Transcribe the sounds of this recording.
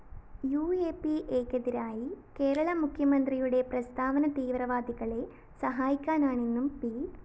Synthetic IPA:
juːeːpiʔeːkːɐðiɾaːjike̞ːɾɐɭɐmukʰjɐmɐnd̪rijuɽe̞prɐst̪ʰaːʋɐnɐt̪iːʋrɐʋaːd̪iɣɐɭe̞ | sɐɦaːjikʲːaːnaːɳenːumpiː

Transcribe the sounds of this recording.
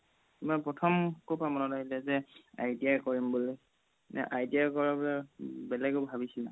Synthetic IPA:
mɔjpɹɔtʰɔmkopamɔnɔtaɡilɛzɛa̰jdijajkɔɹimbulo | nɛ̰ʔajdiajkɔɹabɔlabɛlɛɡobʱabisila

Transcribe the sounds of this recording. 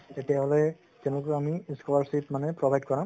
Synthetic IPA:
tetijaɦɔlɛ | tɛ̃lʊk̬ɔamiskɔlaɹsitmanɛpɹɔbʱajd̚kɔɹã

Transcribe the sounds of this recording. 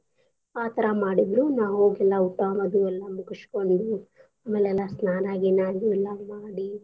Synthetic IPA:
aːt̪ɐɾɐmaːɽid̪ɾunaːwɦoːɡɛlːɐuʈːɐmɐd̪uɛlːɐmukiʂi̥ko̞ɳɖu | ɐmːɐɭɛlːɐsnaːnaːɡinaːluɛlːɐmaːɽi

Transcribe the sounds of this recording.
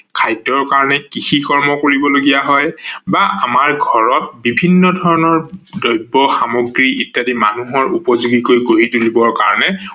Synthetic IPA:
kʰajtːɔɹkaɹɔnɛkixikɔɹmɔkoɹibɔloɡijaɦɔjbaamaɹɡʱɔɹɔt̚bibʱinːɔdʱɔɹɔnɔɹdɔjbːɔxamoɡɹiʔitːadima̰nuɦɔɹupɔzuɡikojkoɹitulibɔɹka̰ɹɔnɛ

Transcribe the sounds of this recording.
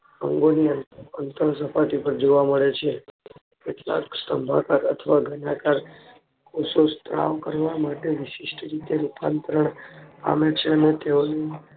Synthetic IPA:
ə̰ŋɡoniənt̪əənt̪əɾs̬əpat̪ipəɾd͡ʒoʋaməɭet͡ʃʰe | keʈla̰ksəmbʱakaɾə̰t̪ʰəʋaɡʱənakaɾ | kosost̪ɾa̰ʋkəɾʋamaʈeʋiʃiʃʈəɾit̪eɾupant̪ɾəɳa̰met͡ʃʰeənet̪eone

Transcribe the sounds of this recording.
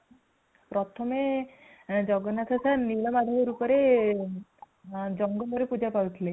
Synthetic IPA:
pɾɔt̪ʰɔme | d͡ʒɔɡɔnat̪ʰasʰanilɔmad̪ʱaɾeɾupɔɾe | d͡ʒɔŋɡɔbɔɾepud͡ʒapawt̪ʰile

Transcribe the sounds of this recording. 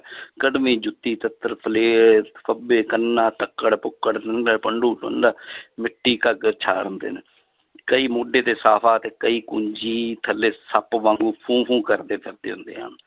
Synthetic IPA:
kəɖmĩːd͡ʒʊt̪ːiːt̪ət̪ːəɾpʰəleːpʰəbeːkənːãːt̪əkːəɽpʊkːəɽd̪nəːpəɳɖuːlo̰nd̪aːmɪʈːiːkəɡət͡ʃʰa̰ːɾnd̪ḛːn | kəiːmoːɖeːt̪eːsaːpʰaːt̪eːkəiːkʊɲd͡ʒiːt̪ʰəlːeːsəpʋãːŋɡuːpʰũːpʰũːkəɾd̪eːpʰəɾd̪ḛːɦʊnd̪ḛːɦã̰ːn

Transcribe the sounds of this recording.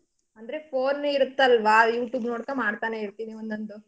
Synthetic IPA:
ɐnd̪ɐɾepʰoːnːeiɾut̪ːɐlʋajuːʈjuːbnoːɽkɐmaːɖt̪aːneiɾt̪iːniʋond̪ond̪u

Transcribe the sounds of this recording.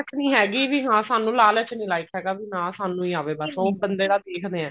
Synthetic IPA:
ət͡ʃnĩːɦɛːɡiːʋiːɦãːsaːnũːlaːlət͡ʃnĩːlaːiːkɦɛːɡaːbiːnãːsaːnũːiːaːʋeːbəsõobənd̪eːɽaːd̪eːkʰd̪eːɛ̃ː

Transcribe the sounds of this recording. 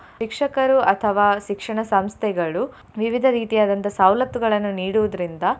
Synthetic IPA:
ikʂɐkɐɾuʔɐt̪ʰɐʋaːʃikʂɐɳɐsɐmst̪ʰɛɡɐɭu | ʋiʋid̪ʱɐɾiːt̪ijaːd̪ɐnt̪ɐsawlɐt̪ːuɡɐɭɐnːuniːɽuʋud̪ɐɾind̪ɐ

